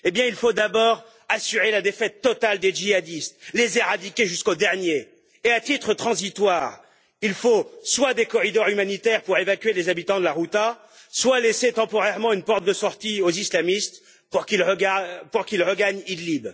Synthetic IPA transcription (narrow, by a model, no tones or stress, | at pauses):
ebjɛ̃ilfod̪abɔːʁ | asyʁelad̪efɛt̪ːɔt̪ald̪eʒiad̪ist̪lezeʁad̪ikʲeʒyskod̪ɛʁnje | eat̪it̪χət̪χɑ̃zit̪waːʁ | ilfoswad̪ekɔʁid̪ɔʁymanit̪ɛʁpuʁevakʲɥelezabit̪ɑ̃d̪əlaʁut̪a | swaleset̪ɑ̃pɔʁɛʁmɑ̃ynpɔʁt̪̚d̪əsɔʁt̪iozislamist̪ | puʁkilpuʁkʲilʁəɡaɲid̪lib